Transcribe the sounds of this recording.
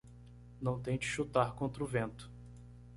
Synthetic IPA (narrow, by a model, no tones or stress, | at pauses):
nɐ̃w̃t̪ẽj̃d͡ʒɪ̥ʃut̪aɾkõnt̪ɾʊvẽnt̪ʊ̥